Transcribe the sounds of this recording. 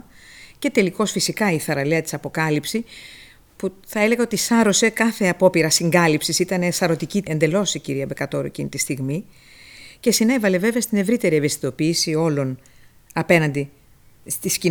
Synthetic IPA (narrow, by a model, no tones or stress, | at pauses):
ce̞t̪e̞liko̞sfisikɐiθɐɾɐleɐt̪i̥sɐpo̞kɐlipsi | puθɐe̞le̞ɣɐo̞t̪isɐɾo̞se̞kɐθe̞ɐpo̞piɾɐsiŋɡɐlipsisit̪ɐnesɐɾo̞t̪iciend̪elo̞siciɾiɐbe̞kɐt̪o̞ɾṵḛcinit̪ist̪iɣmi | ce̞sine̞vɐle̞ve̞veɐst̪ine̞vɾit̪e̞ɾievest̪i̥t̪o̞piːsio̞lo̞n | ɐpe̞nɐnd̪i | st̪isci